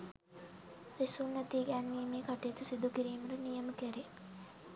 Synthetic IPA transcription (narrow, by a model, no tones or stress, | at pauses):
sisunːɛt̪iːɡæːnʋiːmeːkɑʈejt̪usid̪ukiɾiːməɾənijəməkeɾe